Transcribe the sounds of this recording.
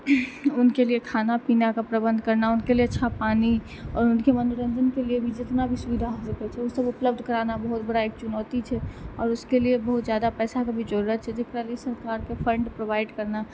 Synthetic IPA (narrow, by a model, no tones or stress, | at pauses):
ʊnkeliekʰanapinakapɾəbə̃nd̪ʱkəɾnaʊnkelieətːʃʰapani | ɔ̰ːɾʊnkemənuɾənd̪ʱənkeliebʱid͡ʒet̪nabʱisubid̪ʱaɦosəkɛt͡ʃʰɛusəbupləb̚d̪ʱkəɾanabəɦut̪̚bəɽaeːk̚t͡ʃunəːt̪it͡ʃʰɛɔːɾuskeliebəɦut̪zjad̪apɛːsakabʱid͡ʒəɾuɾət̪̚t͡ʃʰɛd͡ʒekɾaliesəɾkaɾkepʰə̃ɳɖpɾobaɪɖkəɾna